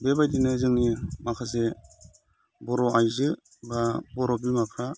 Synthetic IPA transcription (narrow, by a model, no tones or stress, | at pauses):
bebajdinɯzɯŋnimakʰase | bɔɾɔʔajzɯ | babɔɾɔbimapʰɾa